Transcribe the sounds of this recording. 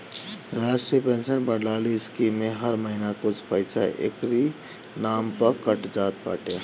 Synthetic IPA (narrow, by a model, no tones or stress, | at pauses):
ɾaːsʈɾijəpensənbəɽlaliskimːeɦəɾməɦinakʊt͡ʃʰpəɪt͡ʃʰaʔḛkɾi | nampəkəʈd͡ʒaːt̪̚pa̰ːʈe